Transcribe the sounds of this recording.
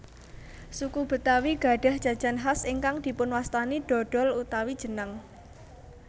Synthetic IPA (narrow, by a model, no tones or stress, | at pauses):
sukub̥ə̤t̪awiɡ̥a̤ɖ̥a̤hd̥ʒ̥ä̤d̥ʒ̥a̤nɦasiŋkaŋd̪̥i̤pʊnwast̪aniɖ̪̥ɔ̤ɖ̥ɔ̤lut̪awid̥ʒ̥ə̤naŋ